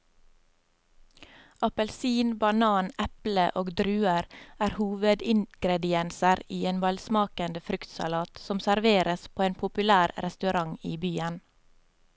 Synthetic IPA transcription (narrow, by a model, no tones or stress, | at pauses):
ʔɑpəlsiːnbɑnɑːnɛpləʔoːɡd̪ɾʉːəɾæːɾhuːʋəd̪ɪŋɡ̥ɾɛd̪ɪɛnsəɾiːeːnʋɑlsmɑːkənd̪əfɾʉkt̪sɑ̰lɑːt̪sɔmsæɾʋeːɾəspʰoːeːnpʰʊpʉlæːɾɾɛst̪ʉɾɑŋiːbyːən